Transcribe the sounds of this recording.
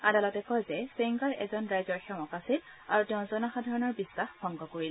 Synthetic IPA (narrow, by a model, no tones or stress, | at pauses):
adalɔtɛkɔjzɛseŋɡaɹɛ̰zɔnɹajzɔɹxɛmɔkasil | aɹutɛʊ̃zɔnaxadʱaɹɔnɔɹbisːaxbʱɔŋɡɔkoɹil